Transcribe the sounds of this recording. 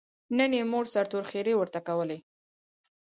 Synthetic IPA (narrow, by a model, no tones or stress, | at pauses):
nənjemoɽsaɾt̪oɾxeɾewəɾt̪akawəle